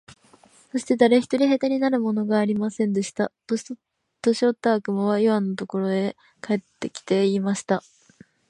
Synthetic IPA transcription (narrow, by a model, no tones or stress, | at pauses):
so̞ɕi̥t̪e̞d̪aɾe̞çi̥t̪o̞ɾʲiɦe̞t̪aɲ̟inaɾɯ̟mo̞no̞ɡaːɾʲimasẽ̞nd̪e̞ɕi̥t̪at̪o | t̪o̞ɕio̞t̪ːaːkɯ̟moβaiβãnːot̪o̞ko̞ɾo̞e̞ | kae̞t̪ːe̞kʲi̥t̪e̞imaɕi̥t̪a